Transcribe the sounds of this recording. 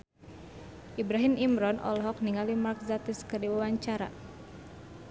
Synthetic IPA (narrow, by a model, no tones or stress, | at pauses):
ʔibɾaɦimimɾɔnʔɔ̰lɔɦɔk̚niŋalimark̚zat̪iskərdiwawaɲt͡ʃaɾa̰